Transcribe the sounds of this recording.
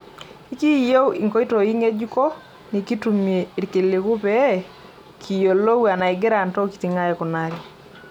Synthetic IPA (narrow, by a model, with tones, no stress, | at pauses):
i˦ki˦jo˦wi˨ŋkɔ˦i˦to˨i˦ŋe˦d͡ʒu˦kɔ˦ | ni˨ki˦tu˨mje˨i˨ɾke˨le˨ku˦pɛ˦ | kʰi˨jo˨lo˦wa˨na˨i˨ɡɛ˦ɾa˨ntɔ˦ki̥˨ti˨ŋa˦jɛ˨kɔ˨na˦ɾi˨